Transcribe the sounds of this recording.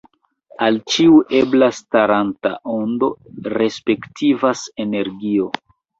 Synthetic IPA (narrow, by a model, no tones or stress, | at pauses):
alt͡ʃiuʔe̞blastaɾanta̰ʔo̞ndo̞ɾe̞spe̞ktʰivase̞ne̞ɾɡio̞